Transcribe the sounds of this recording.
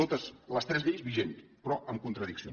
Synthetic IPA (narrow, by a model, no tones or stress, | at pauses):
ot̪əsləst̪ɾɛzðeʎzβiʒent̪ | pɾɔəmkunt̪ɾəðiksio